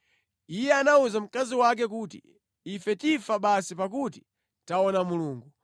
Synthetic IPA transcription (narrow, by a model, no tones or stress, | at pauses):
ijɛanauzam̩kaziwak̬ɛkutḭ | ifɛtifaɓasipakuti̥ | taɔnamuluːŋɡu